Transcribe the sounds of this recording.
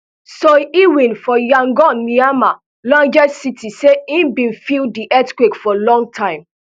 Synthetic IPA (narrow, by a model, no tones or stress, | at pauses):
soiwĩnfɔjãŋɡɔnːiama | lãŋd͡ʒɛsitiseĩnbĩnfildiʔɛtkwekfɔlɔ̃ŋɡ̚tʰãɪ̃m